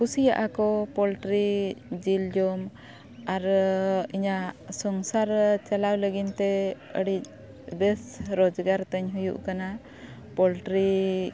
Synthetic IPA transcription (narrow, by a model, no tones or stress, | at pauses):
kusijaʔakɔpɔlʈɾid͡ʒild͡ʒɔm | aɾiɲasɔŋsaɾt͡ʃalawləɡint̪ɛə̰ɽic̚ | bɛsɾɔd͡ʒɡaɾt̪əɲɦujṵʔkana | pɔlʈɾi